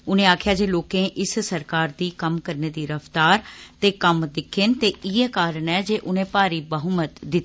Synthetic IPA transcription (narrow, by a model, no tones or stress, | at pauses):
ʊnẽːaːkʰjaːd͡ʒeːloːkẽːʔɪssəɾkaːɾd̪iːkəmkəɾneːd̪iːɾəft̪aːɾt̪eːkəmd̪ɪkʰːɪnt̪eːɪːɛːkaːɾəɳɛːd͡ʒeːʔʊnẽːpaːɾiːbəɦʊmət̪d̪ɪt̪ː